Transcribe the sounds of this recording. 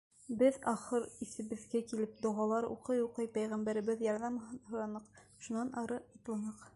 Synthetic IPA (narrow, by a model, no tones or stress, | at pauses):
bɘðɑχɤɾisɘ̆βɘ̆ðɡækilɘp̚d̪ŏʁɑlˠɑɾṵqɤjuqɤjpæjʁæmbæɾɘ̆βɘðjɑɾðɑmɦɤ̆ɾɑnɤqʃunɑnʔɑɾɤɑt̪lˠɑnɤq